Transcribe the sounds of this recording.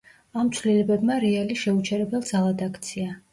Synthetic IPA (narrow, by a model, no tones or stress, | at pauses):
amt̪sʰvlilɛbɛbmaɾɛaliʃɛut͡ʃʰɛɾɛbɛlˠd̪zalˠad̪akʰt̪sʰia